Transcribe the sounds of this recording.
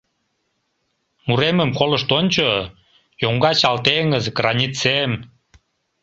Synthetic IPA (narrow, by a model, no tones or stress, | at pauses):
muɾeməmkoləʃt̪onʲt͡ɕo | joŋɡɑt͡ɕɑlt̪eŋəzkrɑnʲit͡sem